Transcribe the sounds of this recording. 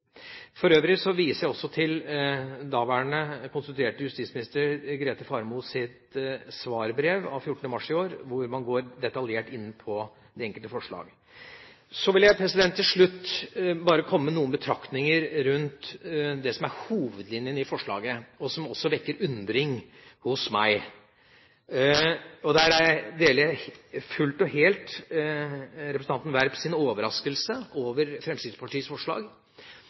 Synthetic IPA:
fɔɾøːʋɾɪsɔʋiːsəjæɔsːɔt̪ʰɪld̪ɑːʋæːɳəkʰʊnsʉt̪ʉeːʈəjʉst̪iːt̪smɪnɪst̪əɾɡɾeːt̪əfɑɾmusɪt̪sʋɑːɾbɾeːʋɑ̰ʋfjʊʈːɳ̩əmɑʂɪoːɾʋʊɾmɑnɡoːɾd̪ɛt̪ɑljeːʈɪnːpʰɔ | d̪ɛɛŋkəlt̪əfɔʂɭɑ̰ːɡ | sɔʋɪljæɪpʰɾɛsɪd̪ɛnt̪ʰːɪlʂɭʉt̪ːbɑːɾəkʰɔmːmənuːənbət̪ʰɾɑkt̪nɪŋəɾɾʉnt̪d̪ɛsɔmæɾhuːʋəd̪lɪnjənɪfɔʂɭɑ̰ːɡəɔsɔmɔsːɔʋɛkːəɾʉnd̪ɾɪŋ | hʊsmæɪ | ɔd̪æɾæd̪eːləfʉlt̪ɔheːlt̪ | ɾɛpɾsn̩ɑnt̪n̩ʋæɾpsɪnoːʋəɾɑskəlsəoːʋəɾfɾɛmsid̪spʰɑʈʰiːəsfɔʂɭɑ̰ːɡ

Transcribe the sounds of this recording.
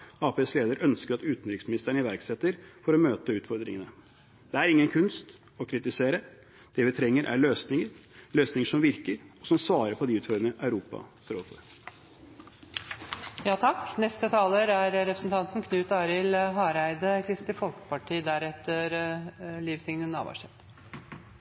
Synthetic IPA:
ɑːpesleːd̪əɾœnskəɾɑt̪ʉːt̪n̩ɾɪksmɪnɪst̪əɳəɪʋæɾksɛt̪ːəɾfɔɾɔmøːt̪əʉːt̪fɔɾd̪ɾɪ̰ŋənə | d̪̥ɛæɾɪŋːənkʰʉnst̪ | ɔkʰɾɪt̪ɪseːɾə | d̪̥ɛʋɪt̪ʰɾɛŋːəɾʔæ̰ɭøːsnɪŋəɾløːsnɪŋəʂɔmʋɪɾkəɾɔsɔmsʋɑːɾəɾpʰɔd̪ɪʉːt̪føːɾənəʔæʉɾuːpɑ̰st̪ɾoːfɔ̰ɾ | jɑːt̪ʰɑkːnɛst̪ət̪ʰɑːləɾæɾɾɛpɾəsn̩t̪ʰɑnt̪n̩kʰnʉːt̪ɑːɾɪlɦɑːɾæɪd̪əkʰɾɪst̪ɪfɔlkə̥pɑʈʰiːd̪æɾɛt̪ːəɾliːʋsɪŋnənɑ̰ʋɑ̰ʂɛt̪

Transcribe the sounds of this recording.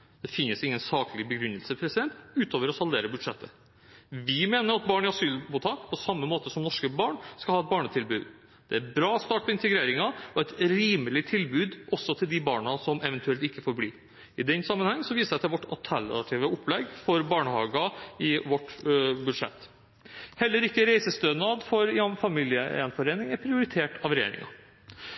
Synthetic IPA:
d̪̥ɛfɪnːəsɪŋːənsɑːklɪbəɡɾʉnːəlsəpʰɾɛsɪd̪ɛnt̪ʉːt̪ʰoːʋəɾɔsɑld̪eːɾəbʉd̪ʂɛt̪ːə | ʋɪmeːnəɾɑt̪̚bɑːɳɪɑsyːlmuːt̪ʰɑːkpʰɔsɑmːəmoːt̪əsɔmnɔʂkəbɑːɳskɑlhɑːɛt̪̚bɑːɳət̪ʰɪlbʉːd̪ | d̪̥ɛæɾbɾɑːɔst̪ɑːʈpɛɪnt̪əɡɾeːɾɪŋɑɔɛt̪ɾiːməlɪt̪ʰɪlbʉːd̪ʔɔsɔt̪ʰɪld̪ɪbɑːɳɑsɔmɛʋɛnt̪ʉɛlt̪ɪkːəfoːɾbliː | ɪd̪ɛnːsɑmːənhɛŋːsɔʋiːsəɛt̪ʰɛlʋɔʈɑ̰lt̪ʰælɑt̪ʰiːʋəʊpʰlɛɡfɔɾbɑːɳəhɑːɡɑɪʋɔʈbʉd̪ʂɛ̰t̪ː | hɛlːəɾɪkːəɾæɪsəst̪øːnɑːd̪fɔɾjɑfɑmiːlɪəɛ̰nfɔɾeːnɪŋæɾpʰɾɪʊɾɪt̪ʰeːʈɑʋɾɛjḛːɾɪ̰ŋɑ̰

